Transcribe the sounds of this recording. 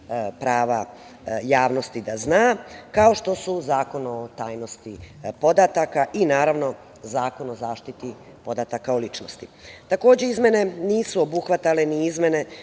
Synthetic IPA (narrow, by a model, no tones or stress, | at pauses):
pɾaːʋa̰ | jaːʋno̞st̪id̪aznaːkao̞ʃt̪o̞suzaːko̞not̪aːjno̞st̪ipo̞d̪at̪akaʔinaːɾaʋno̞ | zaːko̞no̞zaːʃt̪it̪i | po̞d̪at̪akaolit͡ʃnost̪it̪ako̞ːd͡ʑe̞izme̞ne̞niːsuo̞buxʋat̪ale̞niizme̞ne̞